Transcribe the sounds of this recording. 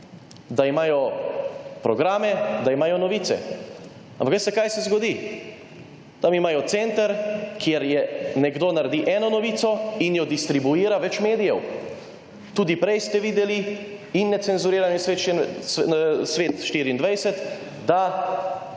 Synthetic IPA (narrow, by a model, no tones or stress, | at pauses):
d̪aimaːjɔ | pɾɔɡɾaːmɛd̪aimaːjɔnɔʋiːt̪sɛ̰ | ampaksɛkaːjsɛzɡɔd̪i | t̪amimaːjɔt̪sɛnt̪aɾkjeɾjɛnɛɡd̪oːnaɾɛd̪iʔɛːnɔnɔʋiːsɔinjɔd̪ist̪ɾibuiːɾaʋɛt͡ʃmeːd̪ijɛw | t̪uːd̪ipɾɛjst̪ɛʋiːd̪ɛliinːɛt̪sɛnzuɾiːɾanjisʋet̪ʃ | sʋeːt̪ʃt̪iːɾiːnd̪ʋajsɛt̪ | d̪a